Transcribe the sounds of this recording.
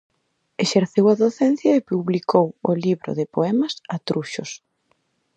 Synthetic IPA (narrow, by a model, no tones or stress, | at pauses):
eʃeɾθewɐðoθɛn̟θjɐepuβlikowʊliβɾo̰ðɪpoɛmɐsat̪ɾuʃʊs